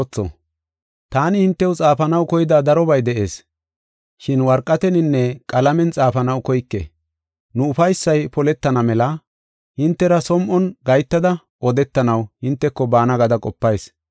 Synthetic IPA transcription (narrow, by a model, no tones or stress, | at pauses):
t͡sːɔ̰ | t̪aːnɪhɪnt̪ːɛwt͡sʼaːfɐnɐwkɔjɪd̪aːd̪ɐɾɔbɐjd̪ɛʔe̞̰ːs | ʃɪnwɐɾkʼːɐt̪ɛnɪnːɛkʼɐlɐmɛnt͡sʼaːfɐnɐwkɔjkːḛ | nʊʊfɐjsːɐjpɔlɛt̪ːɐnɐmɛlɐ | hɪnt̪ːɛɾɐsɔmʔɔnɡɐjt̪ːɐd̪ɐ | ʔɔd̪ɛt̪ːɐnɐwhɪnt̪ːɛkːɔbaːnɐɡɐd̪ɐkʼɔpːɐjs